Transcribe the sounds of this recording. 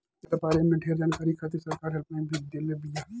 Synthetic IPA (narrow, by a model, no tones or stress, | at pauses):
t̪ɐpaːɾemẽʈʰeːɾd͡ʒaːnkaːɾikʰaːt̪isɐɾkaːɾɦɐɾpaːĩbʱid̪ɪlbja